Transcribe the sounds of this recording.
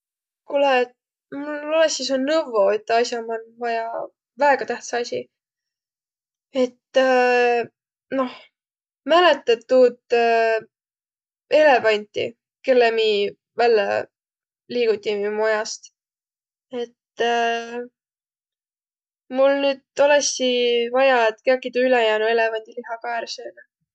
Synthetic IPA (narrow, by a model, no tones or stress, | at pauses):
kulɛ | mulːolesis̬onnɤvoet̪ːɑsjɑmɑnvɑjɑ | væeɡ̥ɑt̪æht̪seɑsʲḭ | e̞t̪ː | no̞h | mælet̪ːˑɑt̪ːuːt̪ː | e̞lepɑnʲt̪ʲːḭ | ke̞lːemiː | vælːɛ̰ | liːɡ̥ut̪ʲːimo̞jɑst̪ | e̞t̪ː | mulnyːd̪̥olesivɑjɑet̪keɑkːˑit̪uylɛjæːnue̞levɑnʲd̪̥iliɦɑkɑeɾseːnɑ